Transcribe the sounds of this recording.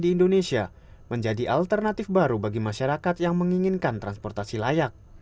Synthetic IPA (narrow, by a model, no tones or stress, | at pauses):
diːndonesia | məɲd͡ʒadiʔalt̪ərnat̪ɪfbaɾubaɡimaʃaɾakat̪jaŋməŋiŋɪnkant̪ɾanspɔrt̪asilajak̚